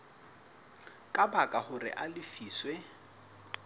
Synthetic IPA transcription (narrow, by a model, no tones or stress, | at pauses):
kʼabakʼahʊrɪ̰ʔalɪfiːswɛ